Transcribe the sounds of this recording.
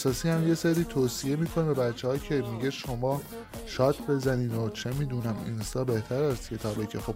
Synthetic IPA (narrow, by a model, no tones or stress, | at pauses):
sɒːsiːhæmje̞seɾiːt̪ʰoːsie̞miːkʰo̞nebebæt̪t͡ʃʰːehɒːcʰe̞miɟeʃo̞mɒː | ʃɒːt̪ʰbe̞zæniːd̪ot͡ʃʰe̞miːd̪unæminsɒːbe̞ht̪ʰæɾæst̪cʰe̞t̪ʰɒːbecʰexo̞b